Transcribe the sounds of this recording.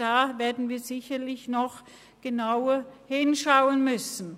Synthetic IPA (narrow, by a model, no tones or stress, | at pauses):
aːveːɐdn̩viːɐzɪçɐlɪçnɔχ | ɡ̥ənaʊɐhɪnʃaʊənmʏsn̩